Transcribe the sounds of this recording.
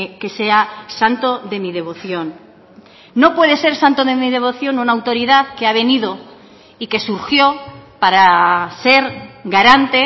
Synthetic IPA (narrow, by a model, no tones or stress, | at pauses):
ke̞se̞asant̪o̞ðe̞mið̞e̞β̞o̞θjo̞nː | o̞pwe̞ðe̞se̞ɾsant̪oðemið̞e̞β̞o̞θjo̞nunawt̪oɾiðaðke̞aβ̞e̞nið̞o̞ | ike̞suɾxjo̞paɾase̞ɾɡaɾant̪e